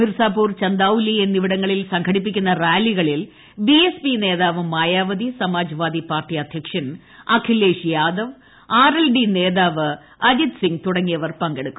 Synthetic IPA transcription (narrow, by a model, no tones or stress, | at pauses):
mirsaːpuːrt͡ɕɐnd̪aːwulienːiʋiɽɐŋːɐɭilsɐŋɡʰʱɐɽip̬ːikʲːunːɐraːliɣɐɭil | biespine̞ːðaːʋɨmaːjaːʋɐd̪isɐmaːd͡ʑɐʋaːd̪ipaːrʈijɐd̪ʱjɐkʂɐn | akʰilːeːʂijaːd̪ɐʋ | aːrelɖine̞ːðaːʋɨ | ɐd͡ʑid̪siŋɡt̪uɽɐŋːijɐʋɐrpɐŋɡeɽukːum